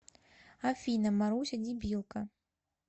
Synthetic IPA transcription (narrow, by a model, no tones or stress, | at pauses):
afʲinɐmaɾuwsʲɐd͡zʲibʲilˠkɐ